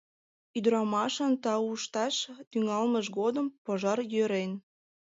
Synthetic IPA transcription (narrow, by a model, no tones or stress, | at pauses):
yd̪ɾɑmɑʃənt̪ɑuʃt̪ɑʃt̪yŋɑlməʃɣod̪əmpoʒɑrjøɾen